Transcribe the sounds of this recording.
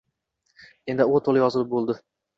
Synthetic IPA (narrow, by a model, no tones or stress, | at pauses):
end̪ɪot̪ʰolˠɪjɒzɪlɪp̚bolˠd̪ɪ